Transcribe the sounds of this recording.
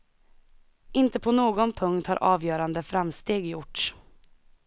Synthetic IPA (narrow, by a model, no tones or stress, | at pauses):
ʔɪnt̪əpʰɔnoːɡɔnpʰɵŋkt̪hɑ̰ɾʔɑ̰ːvjœːɾand̪əfɾamst̪eːɡjʊʈ